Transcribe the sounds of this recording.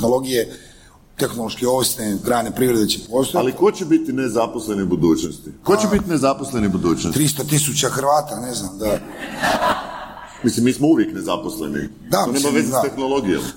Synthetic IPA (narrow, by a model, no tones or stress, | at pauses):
nolˠo̞ɡije | t̪exnoloʃkioʋsnekɾaːnepɾiːʋɾed̪et͡ɕepoːst̪oaliko̞t͡ɕebit̪inezaposlenibud̪uːt͡ɕnost̪ikot͡ɕebit̪inezaposle̞nibud̪uːt͡ʃnost̪ɾist̪ot̪isut͡ɕaxɾʋaːt̪aneznamd̪a | mislimːiːsmouʋjekne̞zaposlḛnḭ | d̪aonemaʋezest̪exnolˠoɡijo̰m